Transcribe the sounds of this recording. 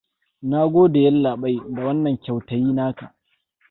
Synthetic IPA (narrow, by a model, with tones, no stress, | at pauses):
na˦ɡʷoː˦da˨jɐ˦lːaː˨ɓa˦jda˨wɐ˦nːɐ˨ŋkʲa˨wtɐ˨jiː˦naː˦ka˨ʔ